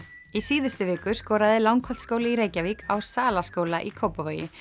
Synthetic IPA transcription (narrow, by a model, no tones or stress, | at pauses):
isiːðʏst̪ʏvɪːkʏskɔːɾaðɪlawŋkʰɔl̥t̪skoːwlɪiɾeːjcavikawsaːlaskoːwlaʔikʰowpaveːjɪ̰